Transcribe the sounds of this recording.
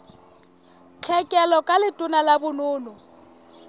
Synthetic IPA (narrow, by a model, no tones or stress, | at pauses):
t͡ɬʰɛkʼɛlɔkʼalɪtʼʊnalabʊnʊːnɔ